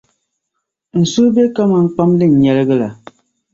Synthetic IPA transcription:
n̩˨su˦be˦ka˦ma˨ŋ̩˦k͡pa˦mlɨ˦˨n̩˨ɲɛ˨lɨ˦ɡɨ˦la˨

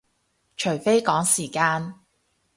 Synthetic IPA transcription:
t͡ʃʰɵ˨˩ɥfe˥jkɔː˨˥ŋsiː˨˩kaː˧n

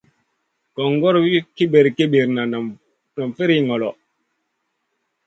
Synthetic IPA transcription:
kɔ˨ŋɡɔ˦ɾwi˦ki˦be˨ɾki˦be˨ɾna˨na˨ | na˨mfe˦ɾi˦ŋɔ˨lɔ˨

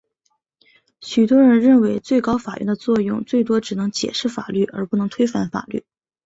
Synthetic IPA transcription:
ɕy˨˩t̪wɔ˥ɻə˧˥nɻə˥˩nwe˧˥ɪt͡swe˥˩ɪkɑ˥ʊfa˨˩ɥɛ̰˥˩nd̪ə˧t͡swɔ˥˧jʊ˥˧ŋt͡swe˥˩ɪt̪̬wɔ˥ʈ͡ʂɻ̩˨˩nɤ˧˥ŋt͡ɕjɛ̰˨˩ʂɻ̩˥˩fa̰˨˩ly˥˩ʔə˞˧˥pu˥˩nɤ˧˥ŋt̪ʰwe˥ɪfa˥˩nfa̰˨˩ly̰˥˩

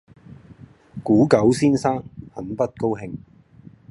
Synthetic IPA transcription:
kuː˨˥kɐ˨˥wsiː˥nsaː˥ŋhɐ˨˥npɐ˥t̚ko˥whɪ˧ŋ

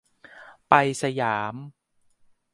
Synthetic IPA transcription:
pa˧jsa˧jaː˩˦m

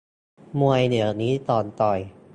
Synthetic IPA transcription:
mu˧əjnɯ˩˦ɐniː˦˥t̪ɔː˧nt̪ɔ˨˩j

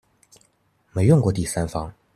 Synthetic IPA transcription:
me˨˥ɪjʊ˥˧ŋkwɔ˥˩t̪i˥˩sa˥nfɑ˥ŋ

